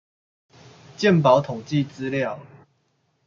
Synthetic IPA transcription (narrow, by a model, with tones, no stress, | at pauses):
t͡ɕjɛ˥˨np̬a˨˦ʊt̪ʰo˨˩ŋt͡ɕi˥˨t͡sɹ̩˦ljɑ˥˨ʊ